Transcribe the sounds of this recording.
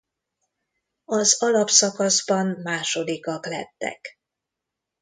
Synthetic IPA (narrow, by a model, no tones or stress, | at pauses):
ɒzɒlɒpsɒkɒzbɒnmaːʃo̞d̪ikɒklɛ̰t̪ːɛ̰k